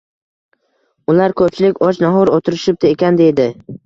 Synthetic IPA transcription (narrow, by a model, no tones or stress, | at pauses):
ʊlaɾkʰɵp̚t͡ʃʰɪlɪkʲɒt͡ʃnaɦɒɾot̪ʰɪɾɪʃɪp̚d̪aekʲand̪e̞jd̪ɪ